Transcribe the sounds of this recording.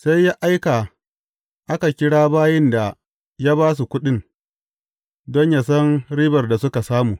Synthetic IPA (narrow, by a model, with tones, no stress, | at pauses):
sa˦jːaː˦ʔa˦jka˨ | ʔa˦ka˨kʲɪ˦ɽaː˦baː˦jɛ˦nda˨ | ja˦baː˦s̬u˨kʷʊ˦ɗɪ˦n | dɔ˦ɲja˦sɐ˦nɽiː˦bɐ˨rda˨sʊ˦ka˨saː˦muː˨